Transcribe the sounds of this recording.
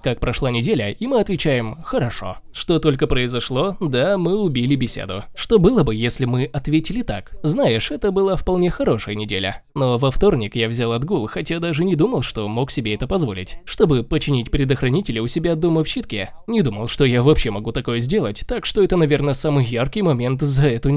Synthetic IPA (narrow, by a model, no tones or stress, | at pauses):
kak̚pɾɐʂlˠanʲɪdʲelʲəimɨɐt̪vʲɪt͡ɕæjɪmxəɾɐʂo̞̰ʂt̪o̞t̪o̞lʲkəpɾəɪzɐʂlˠo̞d̪amɨʊbʲilʲɪbʲɪsʲḛd̪ʊ̰ʂt̪o̞bɨlˠəbɨjesʲlʲɪmɨʔɐt̪vʲetʲɪlʲɪt̪a̰kznajɪʂɛt̪əbɨlˠafpɐlˠnʲe̞xɐɾo̞ʂəjənʲɪdʲḛlʲə̰ | no̞vɐft̪o̞rnʲɪkjavzʲalˠɐd̪ɡulˠxɐtʲad̪aʐɨnʲɪd̪uməlˠʂt̪o̞mo̞ksʲɪbʲeɛt̪əpɐzvo̞̰lʲɪ̰tʲʂt̪o̞bɨpət͡ɕɪnʲitʲpɾʲɪd̪əxɾɐnʲitʲɪlʲɪʊsʲɪbʲad̪oməfɕɪt̪kʲe | nʲɪd̪uməlˠʂt̪o̞javɐpɕemɐɡut̪ɐko̞jəzʲdʲe̞lˠətʲt̪akʂt̪o̞ɛt̪ənɐvʲe̞rnəsamɨjjarkʲɪjmɐmʲe̞nt̪zɐɛt̪ʊ